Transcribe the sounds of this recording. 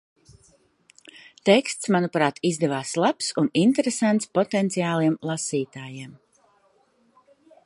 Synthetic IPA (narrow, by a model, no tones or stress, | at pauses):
t̪ɛkst̪smanupɾaːt̪izd̪ɛvaːslˠapsunint̪ɛɾesant̪spɔt̪ɛnt̪sijaːlˠiɛmlˠasiːt̪aːjiɛm